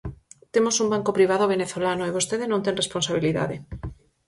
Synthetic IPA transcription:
t̪emosumbaŋkopɾiβ̞aðoβ̞eneθolanoeβost̪eðenõnt̪eŋresponsaβ̞iliða̰ðe

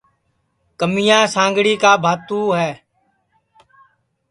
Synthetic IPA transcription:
kəmɪjãːsãːŋɡɽiːkaːbʱaːt̪ũːɦɛː

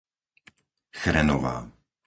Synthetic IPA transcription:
xɾɛnɔʋa̰ː

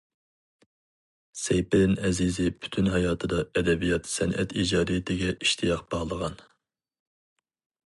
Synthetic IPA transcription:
sɛjpɪɾɪnɛzizɪpʰy̥t̪ʰynɦɑjɑːt̪ʰɨd̪ɑɛd̪ɛbijɑt̪sɛnʔɛt̪id͡ʒɑːɾit̪ʰɪɡʲɛʔiʃt̪ʰijɑqb̥ɑʁlˠəʁɑn

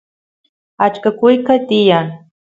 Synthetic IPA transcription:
at͡ʃkakʊjkat̪ɪjaŋ

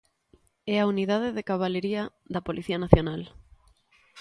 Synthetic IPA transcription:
ɛauniðaðeðekaβ̞aleɾiɐ | ðɐpolʔiθianaθjonal

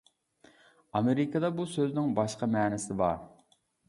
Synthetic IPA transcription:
ɑmeɾɪkʰɑd̪ɑbusøznɪŋbɑʃqɑmɛːnɪsɪbɑ̰ɾ

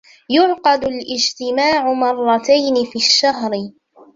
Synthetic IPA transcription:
jʊʕqɑd̪ʊlʔɪd͡ʒt̪ɪmaːʕʊmɑrˤːɑt̪ajnɪfiːaʃːaɦɾɪ

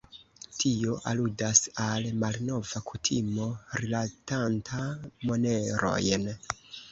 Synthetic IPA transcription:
tʰio̞ʔa̰ludasalmalno̞vakʰutʰimo̞ɾilatantʰamo̞ne̞ɾo̞̰jn

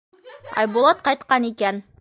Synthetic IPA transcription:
ɑ̰jbulˠɑt̪̚qɑjt̪̚qɑnikæn

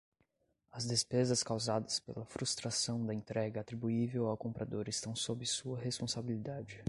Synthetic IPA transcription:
ɐzd̪espezɐskawzad̪ɐspḛlɐfɾust̪ɾasɐ̃w̃d̪ɐẽnt̪ɾɛɡɐːt̪ɾibuivewawkõmpɾad̪oɾɪst̪ɐ̃w̃sobɪsuɐɦespõsabilid̪ad͡ʒɪ

